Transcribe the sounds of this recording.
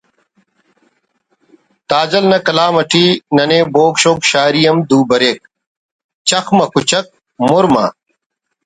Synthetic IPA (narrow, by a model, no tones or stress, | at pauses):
t̪aːd͡ʑɐlnɐkɐlaːmɐʈʰiːnɐneːboːkɕoːkɕaːɾijɐmd̪uːbɐɾeːk̚ | t͡ɕɐxmɐkut͡ɕɐk̚ | moɾmɐ̰